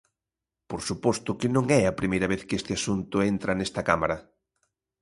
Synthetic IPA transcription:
poɾsupɔst̪ʊkɪnõŋɛɐpɾimejɾɐβeθkest̪ɪasunt̪ʊent̪ɾɐnest̪ɐkamaɾɐ

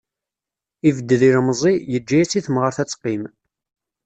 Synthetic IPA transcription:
ivəd̪ːəðiɾmzˤijəd͡ʒːæjæsiθəmʁəɾθæt͡sːqːim

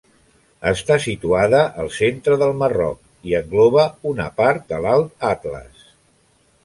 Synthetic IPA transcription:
əst̪asit̪uaðəʔəlˠsent̪ɾəðəlˠmərɔ̰k̚ | iəŋɡlɔβəunə̰paɾt̪̚d̪əlalˠt̪̚at̪lə̰s

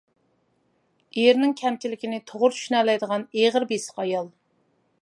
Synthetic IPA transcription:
ɾnɪŋkʲʰɛmt͡ʃʰilɪkʲinɪt̪ʰoʁʊɾt͡ʃʰy̥ʃnɛlɛjd̪əʁɑneʁəɾbesɪ̥qɑjɑlˠ

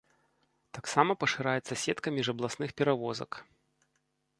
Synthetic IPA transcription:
t̪aksamɐpɐʂɨɾajɛt̪sɐsʲɛt̪kɐmʲiʐɐblˠasnɨxpʲɛɾavɔzɐ̰k

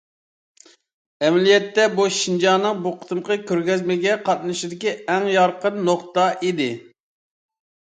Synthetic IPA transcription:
ɛmlijɛt̪ːɛbuʃind͡ʒɑːnɨŋbuqʰə̥t̪ʰɨmqəkʲʰøɾɡʲɛzmɪɡʲɛqʰɑt̪̚nɨʃid̪ɪkʲiɛŋjɑɾqənːoqt̪ɑʔid̪ɪ

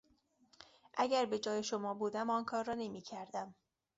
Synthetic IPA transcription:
ʔæɟæɾbe̞d͡ʒɒːje̞ʃomɒːbuːd̪æmɒːnkʰɒːɾːɒːne̞miːcʰæɾd̪æm

